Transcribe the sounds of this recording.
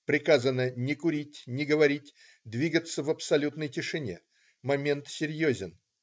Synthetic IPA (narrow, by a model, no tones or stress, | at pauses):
pɾʲɪkazənənʲɪkʊɾʲitʲnʲɪɡəvɐɾʲitʲ | d̪vʲiɡət̪səvəpsɐlʲut̪nəjtʲɪʂɨnʲe̞̰ | mɐmʲe̞nt̪sʲɪɾʲjozʲɪn